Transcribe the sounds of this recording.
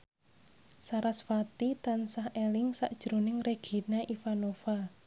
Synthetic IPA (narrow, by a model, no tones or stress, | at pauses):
saɾasfat̪it̪ansahelɪŋsa̰ʔd̥ʒ̥ɾo̤nɪŋreɡ̥i̤naʔifanofa